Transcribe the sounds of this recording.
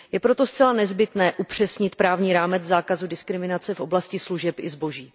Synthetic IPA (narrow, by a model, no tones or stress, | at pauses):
jɛpɾo̞t̪o̞st͡sɛlanɛzbɪt̪nɛːʔupr̝̥ɛsɲɪt̪pɾaːvɲiːɾaːmɛt͡szaːkazudɪskɾɪmɪnat͡sɛfʔo̞blascɪsluʒɛpɪ̰zbo̞ʒiː